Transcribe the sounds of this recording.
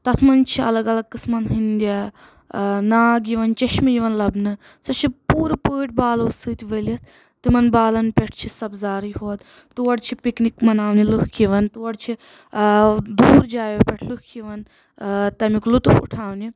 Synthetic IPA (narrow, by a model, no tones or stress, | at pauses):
t̪ɐt̪ʰmɐnt͡ʃʰiɐ̰lɐɡɐlɐɡ̚kɨsmɐnɦɨnd̪ʲa | naːɡiʋɐnt͡ʃɐʃmijiʋɐnlɐbnɨ | sɐt͡ʃʰipuːɾɨpəːʈʰʲbaːloːsɨːt̪ʰʲʋəlɐt̪ʰ | t̪imɐnbaːlɐnpʲeʈʰt͡ʃʰisɐbzaːɾiɦoːt̪ | t̪uɐɽt͡ʃʰipiknikmɐnaːʋnilɨkʰkiʋɐnt̪uʋɐɽt͡ʃʰi | d̪uːɾd͡ʒaːjpʲeʈʰlɨkʰkiʋɐn | t̪ɐmiklut̪ufṵʈʰaːʋni